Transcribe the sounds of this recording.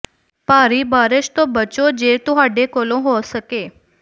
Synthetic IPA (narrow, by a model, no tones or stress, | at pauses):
paɾibaːɾəʃt̪obət͡ʃod͡ʒet̪ũɦaɖekolõɦosəke